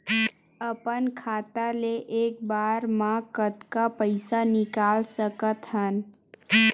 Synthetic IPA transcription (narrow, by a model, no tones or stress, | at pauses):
əpənkʰaːt̪aleʔeːk̚baːɾmãkət̪kapəɪsanɪkaːlsəkət̪ɦən